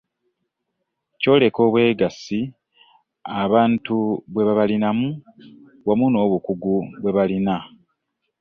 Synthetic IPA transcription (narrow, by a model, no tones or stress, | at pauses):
co̞ːle̞ko̞ːβwe̞ːɡasi | aβaːntuβwe̞βaβalinamu | βwamuno̞ːβukuɡuβwe̞βalina